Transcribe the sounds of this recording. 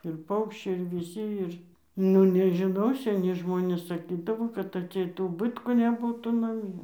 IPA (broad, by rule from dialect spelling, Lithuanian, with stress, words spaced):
ɪr ˈpɐʊkʃʲt͡ʃʲɛɪ ɪr ʋʲɪˈsʲɪ ˈɪr ˈnʊ nʲɛʒʲɪˈnɐʊ sʲɛˈnʲɪ ˈʒmoːnʲeːs sɐˈkʲiːdɐʋoː kɐt ɐtʲˈsʲɛɪt ʊˈbɨtkuː nʲɛˈbuːtuː nɐˈmʲiɛ